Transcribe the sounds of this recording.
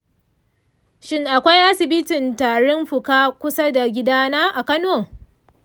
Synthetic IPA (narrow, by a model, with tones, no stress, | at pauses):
ʃɪ˦ŋʔa˨kʷa˦jʔa˦sɪ˨bɪ˦tɪ˨ntaː˨ɽɔ˦mɸʊ˨kaː˦kʷʊ˦sa˦da˨ɡʲɪ˦daː˦naː˦ʔa˨kɐ˦noː˨